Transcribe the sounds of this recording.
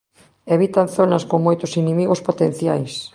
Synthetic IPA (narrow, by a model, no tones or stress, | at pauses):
eβit̪anθonɐskoŋmojt̪ʊsinimiɣospot̪en̟θjajs